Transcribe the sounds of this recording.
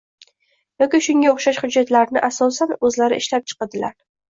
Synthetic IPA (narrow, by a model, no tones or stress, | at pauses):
jɒkʲɪʃʊŋɡʲaoχʃaʃhʊd͡ʒːat̪laɾnɪʔasɒsanɵzlaɾɪ̰ʔɪʃlap̚t͡ʃʰɨ̥qɑd̪ɪlaɾ